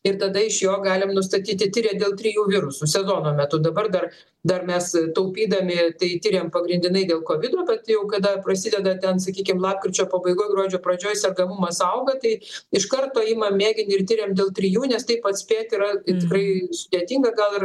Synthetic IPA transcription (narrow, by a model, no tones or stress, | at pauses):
ɪrt̪ɐd̪ɐɪʃjoːɡɑːlʲɪmnʊs̬t̪ɐt̪ʲiːt̪ʲɪt̪ʲiɾʲeːd̪ʲeːlˠt̪ʲɾʲɪjuːʋʲɪɾʊsusʲɛzoːnoːmʲɛt̪ʊd̪ɐbɐrd̪ɐr | d̪ɐrmʲɛst̪ɐʊpʲiːd̪ɐmʲɪt̪ɐɪt̪ʲiɾʲeːmpɐɡɾʲɪnʲd̪ʲɪnɐɪd̪ʲeːlˠkoːʋʲɪd̪oːbʲɛt̪jɛʊkɐd̪ɐprɐsʲɪd̪ʲɛd̪ɐtʲɛns̬ɐkʲiːkʲɪmlˠɑːp̚kɾʲɪt͡ʃʲoːpɐbɐɪɡoːjɡroːd͡ʒʲoːpɾɐd͡ʒʲoːjsʲɛrɡɐmʊmɐsɐʊɡɐt̪ɐɪɪʃkɐrt̪oːɪmɐmʲeːɡʲɪnʲɪrt̪ʲiɾʲeːmd̪ʲeːlˠt̪ʲɾʲɪjuːnʲɛst̪ɐɪpɐt̪sʲpʲeːt̪ʲɪɾɐt̪ʲɪkɾɐɪsʊd̪ʲeːt̪ʲiŋɡɐɡɐlˠɪr